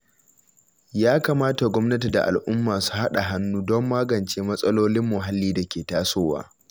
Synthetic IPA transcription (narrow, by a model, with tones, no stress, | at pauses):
jaː˦kaː˨maː˦ta˨ɡʷɔ˦mnɐ˦te˨da˨ʔa̰˨lʔʊ˦mːaː˨su̥˦ha˦ɗa˨ɦa˦nːuː˦dɔ˦mːaː˦ɡɐ˨nt͡ʃeː˦mɐ˦sʼɐ˦loː˦lɪ˦mːʊ˨ɦa˦lːiː˦da˨kʲeː˨taː˦soː˦wa̰ː˦